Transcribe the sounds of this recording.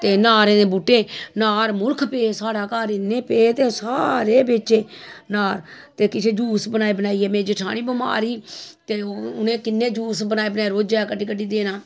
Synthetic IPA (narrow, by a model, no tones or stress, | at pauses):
t̪eːnaːɾeːnẽːbuːʈːẽːnaːɾmʊlkʰpeːsaːɽaːkaːɾɪnːẽːpeːt̪eːsa̰ːɾeːbet͡ʃeːnaːɾ | t̪eːkɪt͡ʃʰeːd͡ʒuːsbənaːebənaːiːɛːmẽːd͡ʒɪʈʰaːniːbəma̰ːɾiːt̪eːʊnẽːkɪnːẽːd͡ʒuːsbənaːeːbənaːeːɾoːd͡ʒaːkəɖiːkəɖiːd̪eːnaː